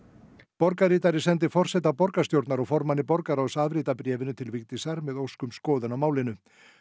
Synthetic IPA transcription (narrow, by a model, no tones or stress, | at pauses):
pɔɾkaɾiːt̪aɾɪsɛnt̪̬ɪfɔr̥sɛt̪apɔɾkast̪jowɾt̪naɾɔɣfɔɾmanːɪpɔɾkaɾawsavɾiːt̪apɾjɛːvɪnʏt̪ʰɪlvɪkt̪isaɾmɛðowskʏmskɔːðʏnawmaːwlɪnʏ